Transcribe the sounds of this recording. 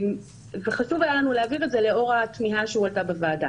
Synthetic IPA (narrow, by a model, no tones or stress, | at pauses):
m | veχaʃuvajalanuleaviʁetzeleo̞ʁatmiɦaʃeualtabevaːda